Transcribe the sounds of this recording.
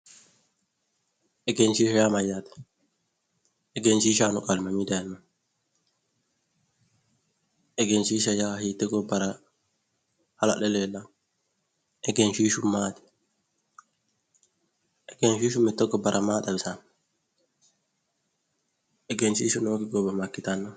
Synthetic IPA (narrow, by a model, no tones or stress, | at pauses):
ʔɛɡent͡ʃiʃɔjamajatɛ̥ | ʔɛɡent͡ʃiʃanɔkalmamidɛnːa | ʔɛɡent͡ʃiʃajahitɛɡɔbaɾa | hala̰ɗɛlɛlan | ʔɛɡenʃiʃumːaːti̥ | ʔɛɡenʃiʃumɛtːɔɡɔbaɾʔamaːtabɛsan | ʔɛɡent͡ʃiːʃunokiɡɔbamakːitanːɔ